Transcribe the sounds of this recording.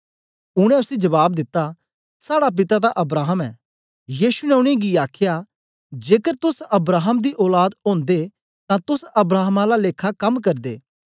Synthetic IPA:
ʊɽ̃ɛ̃ʊsed͡ʒɐβaːb̚d̪ɪt̪ːa | saːɽap̬ɪt̪ad̪aʔɐbɾaːɦəmɛː | jiːʃunɛʊɽ̃ẽɡiaːkʰja | d͡ʒeːkəɾt̪ʊsɐbɾaːɦəmd̪iʔɔːlaːd̪õːnd̪e | t̪ãt̪ʊsɐbɾaːɦəmãlaleːkʰakɐmk̬ɐɾd̪ḛː

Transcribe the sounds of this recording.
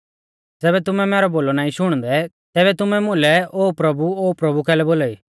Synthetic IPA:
d͡zɛːβɛt̪̬ʊmɛ̃mɛːɾɔboːlɔnaːĩʃʊɽ̃d̪ɛ | t̪ɛːbɛt̪ʊmɛ̃mʊ̃lɛoːpɾɐbuoːpɾɐbukɛːlɛboːlaːiː

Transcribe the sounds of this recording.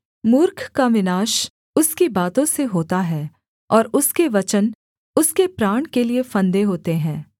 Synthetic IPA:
mʊːɾkʰkaʋɪnaːʃ | ʊskibaːt̪õseɦoːt̪aɦɛː | ɔːɾʊskeʋɐt͡ʃən | ʊskepɾaːɽ̃keliefɐ̃nd̪eɦoːt̪eɦɛ̃ː

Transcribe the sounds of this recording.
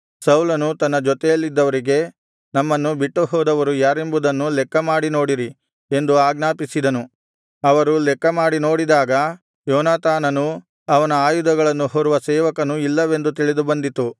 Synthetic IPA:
sɐwlɐnut̪ɐnːɐd͡ʒɔt̪ɛjɐlːid̪ːɐʋɐɾiɡe̞ | nɐmːɐnːubiʈːuɦɔːd̪ɐʋɐɾujaːɾembud̪ɐnːulɛkːɐmaːɽino̞ːɽiɾi | e̞nd̪uaːɡnaːpisid̪ɐnu | ɐʋɐɾulɛkːɐmaːɽino̞ːɽid̪aːɡɐ | jɔːnaːt̪aːnɐnu | ɐʋɐnɐaːjud̪ɐɡɐɭɐnːuɦoɾuʋɐsɛːʋɐkɐnuilːɐʋe̞nd̪ut̪iɭid̪ubɐnd̪it̪u

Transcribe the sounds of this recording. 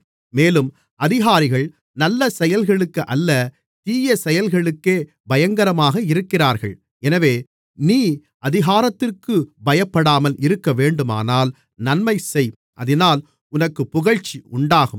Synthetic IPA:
meːlɯm | ʔɐðɪɣaːɾɪɣɐɭ | nɐlːɐsɛjɐlɣɐɭɯkːɯʔɐlːɐ | t̪iːjɐsɛjɐlɣɐɭɯkːeː | bɐjɐŋɡɐɾɐmaːɣɐɪɾɯkːɪraːɾɣɐ̰ɭ | ɛnɐʋeː | niː | ʔɐðɪɣaːɾɐt̪ːɪrkɯbɐjɐpːɐɽaːmɐlʔɪɾɯkːɐʋeːɳɖɯma̰ːnaːl | nɐnmɐɪsɛj | ʔɐðɪnaːl | ʊnɐkːɯpːʊɣɐɻt͡ʃːiʊɳɖaːɣɯm

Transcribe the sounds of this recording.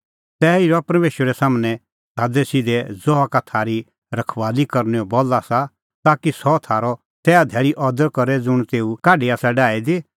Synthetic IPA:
t̪ɛːiɾɔpɐɾmeːʃəɾɛsaːmnɛ | saːdɛsɪd̪ɛd͡zɔakat̪ʰaːɾi | ɾɐkʰʋaːlikɐɾnɛɔbɔːlasa | t̪aːkisɔt̪ʰaːɾɔ | t̪ɛːad̪ʱɛːɾiʔɔd̪əɾkɐɾɛd͡zʊɽ̃t̪eːukaːɖiaːsaɖaːid̪e

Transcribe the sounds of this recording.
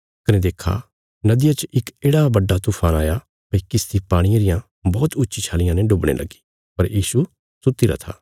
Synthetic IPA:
kɐnẽd̪eːkʰːa̰ | nɐd̪ɪjat͡ʃʔɪkeːɽabɐɖːat̪ʊpʰaːna̰ːja | pɐikɪst̪ʰipaːɽ̃ɪjaɾɪjã | bɔːt̪ʊtːʃʰit͡ʃʰaːlɪjãnɛɖʊbɽ̃ḛlʔɐ̰ɡi̥ | pɐɾjiːsu | sʊt̪ːiɾa̰t̪ʰa̰ː

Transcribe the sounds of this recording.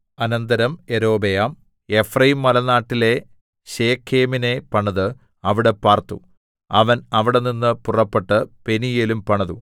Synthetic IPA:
ɐnɐnd̪ɐɾɐme̞ɾo̞ːbejaːm | efrɐjimːɐlɐnaːʈːile̞ | ɕeːkʰːeːmine̞pɐɳɐðɨ | ɐʋiɽe̞paːrt̪ṵ | ɐʋɐnɐʋiɽe̞ninːɨpurɐpːeʈːɨpe̞nijelumpɐɳɐðu

